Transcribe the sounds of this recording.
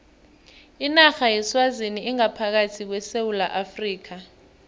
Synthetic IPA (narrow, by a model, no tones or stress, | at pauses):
inaxajɛswaziniːŋapʰak̬atʰik̬wɛsewulaʔafriːk̬ʰa